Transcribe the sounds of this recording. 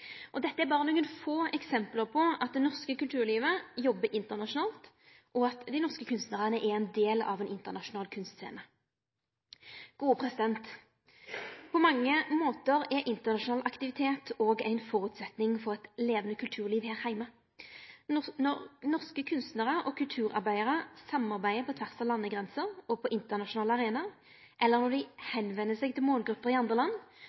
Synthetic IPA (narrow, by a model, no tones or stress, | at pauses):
ʔɔd̪ɛt̪ːəæbɑːʁənuːənfoːɛksɛmpləʁpʰɔɑt̪̚d̪ɛnɔʁskəkʉlt̪ʰʉːʁliːʋəjɔbːəʔɪnt̪əʁnɑʃʊnɑːlt̪ | ʔɔɑt̪d̪æɪnɔʁskəkʰʉnst̪nəʁənəʔɛɾɛnd̪eːlɑ̰ʋɛnɪnt̪əʁnɑʂʊnɑːlkʰʉnst̪sḛːnə | ɡ̥uːəpʰʁɛsɪd̪ɛnt̪ | pʰɔmɑŋːəmoːt̪əɾɛʔɪnt̪əʁnɑʃʊnɑːlʔɑkt̪ɪʋɪt̪ʰeːt̪ʰoːɡæ̰ɪnfɔʁʉt̪sɛt̪nɪŋfɔʁɛt̪leːʋənəkʰʉlt̪ʰʉːʁliːʋhæːʁhæɪmə | nɔʁnɔʁskəkʰʉnst̪nəʁəʔɔkʰʉlt̪ʰʉːʁɑ̰ʁbæɪəʁəsɑmɑʁbæɪəpʰɔt̪ʰʋæʁsɑʋlɑnːəɡʁɛnsəʁɔpʰɔʔɪnt̪əʁnɑʃʊnɑːləɑʁeːnɑ | ʔɛlːəʁnɔd̪ɪhɛnʋɛnːəsɛɡ̚t̪ʰɪlmoːlɡʁʉpːəʁɪɑnd̪ʁəlɑnː